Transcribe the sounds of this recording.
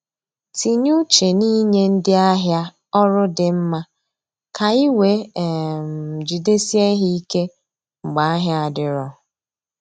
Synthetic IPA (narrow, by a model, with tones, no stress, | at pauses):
ti˨ɲu˦t͡ʃe˨ni˦ɲe˦n̩˦dɪ˦a˦ɦja˦ | ɔ˦ɾʊ˦dɪ˨m̩˦ma˦ | ka˨i˦we˨m̩˨d͡ʒi˨de˦si˦e˦ɦi˦i˦ke˦ | ŋ͡m̩˨ɡ͡ba˨a˦ɦja˦˨a˨dɪ˨ɾɔ˨